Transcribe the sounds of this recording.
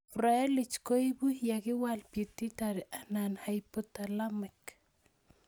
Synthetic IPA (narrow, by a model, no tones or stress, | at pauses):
raelɪt͡ʃkoibujakɪwalpit̪ːitaɾʔananhajpʊt̪alamɛk